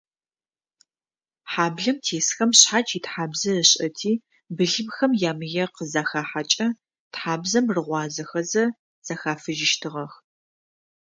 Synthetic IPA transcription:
ħaːbɮɐmtʰeːsxɐmɕħaːt͡ʃʰʼitħaːbzɐrɨɕʼɐtʰiː | bɨɮɨmxɐmjaːmɨjɛqəzaːxaːħat͡ʃʼɐ | tħaːbzɐmrɨʁʷɑːzɐxɐzɐ | z̥aːxaːfɨʒɪʃtʰɨʁɐx

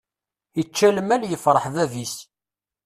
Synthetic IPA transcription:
ət͡ʃːæləmæljəfɾˤəħðævis

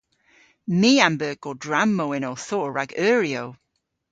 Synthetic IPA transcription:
miːambəːɡodɹamːowɪnowθɔːɹaɡœːɹiow

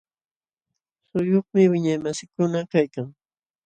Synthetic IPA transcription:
sʊjoχmɪwɪɲajmasɪkʊnakajkaŋ

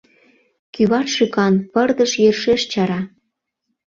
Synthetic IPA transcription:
kyβɑrʃykɑnpərd̪əʃjerʃeʃt͡ɕɑɾɑ

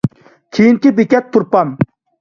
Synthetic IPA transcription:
kʲʰijinkʲibekʲɛt̪̚pʰuɾpɑm

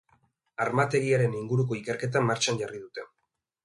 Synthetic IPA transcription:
aɾmat̪e̞ɣiaɾe̞niŋɡuɾuko̞ike̞ɾke̞t̪̬amːaɾt͡ʃaɲɟariðut̪e̞

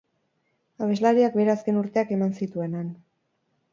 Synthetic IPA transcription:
aβe̞zlaɾiak̚be̞ɾeaske̞nuɾt̪e̞ake̞mansit̪ue̞nan

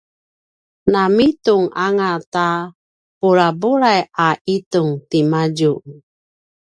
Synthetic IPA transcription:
namituŋaŋata | puɾabuɾajʔaʔituŋtimad͡ʒuʔ

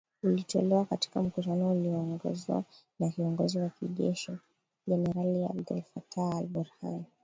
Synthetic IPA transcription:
ulitɔlɛwakati̥kam̩kutanɔuliɔŋɡɔ̰zwa̰ | naviɔŋɡɔziwakiʄɛ̰ʃi | ʄɛnɛɾalia̰bdɛ̰lfataːlbuɾha̰n

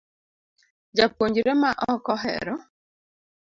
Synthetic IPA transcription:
d͡ʒapwoɲd͡ʒɾemaʔɔkɔɦɛ̰ɾɔ

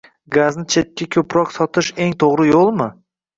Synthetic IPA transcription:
ɡaznɪt͡ʃʰe̞t̪̚kʲːakʲʰɵpʰɾɒqsɒt̪ʰɪʃe̞ŋt̪ʰoʁɾɪjolˠmɪ

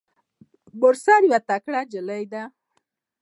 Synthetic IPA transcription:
bʊɾsaɾjwat̪akɽad͡ʒələjd̪a

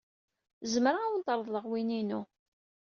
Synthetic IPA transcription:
zəmɾaawnt̪əɾˤðˤləʁwininu

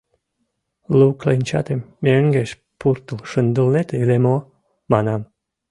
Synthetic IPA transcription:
luklenʲt͡ʃɑ̰t̪emːeəŋɡeʃ | purt̪əlʃənd̪əlnet̪eilemo | manam

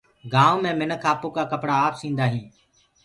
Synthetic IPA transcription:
ɡãːomẽːmɪnəkʰaːpoːkaːkəpɽaːpsĩːnd̪aːɦĩː

